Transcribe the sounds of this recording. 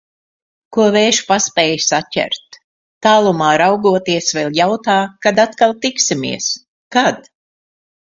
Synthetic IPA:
kuɔveːʃpaspɛːjsacʲæ̰ɾt̪ː | aːlˠumaːɾawɡuɔt̪iɛsvɛlʲˠjawt̪aːkad̪at̪kalˠt̪iksimḭɛs | kad̪̥

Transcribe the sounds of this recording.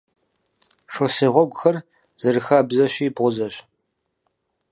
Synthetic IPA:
ʂʷɔsɨːʁʷɔɡʷʊxɐr | z̥ɨrɨxaːbzɐɕiːbʁʷʊzɐɕ

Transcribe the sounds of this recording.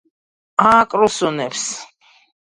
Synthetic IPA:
akʼɾusunɛps

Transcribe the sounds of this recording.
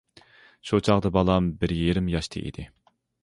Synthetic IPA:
ʃut͡ʃʰɑʁd̪ɨbɑlˠɑmbɪɾjiɾɪmjɑʃt̪ʰɨ̰ʔḭd̪̥ɪ

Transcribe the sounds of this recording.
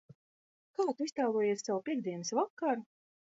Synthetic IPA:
kaːt̪uist̪aːlˠuɔjɛsːawpʲiɛɡd̪ʲiɛnisvakːaɾ

